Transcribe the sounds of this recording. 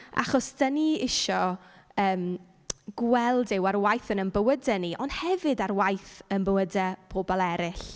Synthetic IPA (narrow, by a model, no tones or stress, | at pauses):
ʔa̰χɔsd̥əniɪʃɔəːm | ɡ̥wɛlˠdɪwaɾwajθənənbəwədəniʔɔnd̥hɛvɨdarwajθənbəwədɛpʰoːbɔlˠɛɾɪɬ